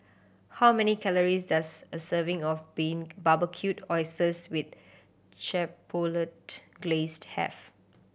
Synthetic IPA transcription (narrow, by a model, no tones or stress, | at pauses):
hawmɛnikʰɛləɹisdasəsəvɪ̃ŋɔfbĩŋbabəkʰjutɔɪsəswɪt̪̚ | t͡ʃɛpʰolətɡ̥lesthɛ̰f